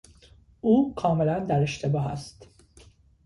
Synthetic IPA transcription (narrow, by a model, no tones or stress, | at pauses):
uːkʰɒːme̞lænd̪æɾe̞ʃt̪ʰe̞bɒːɦæ̰st̪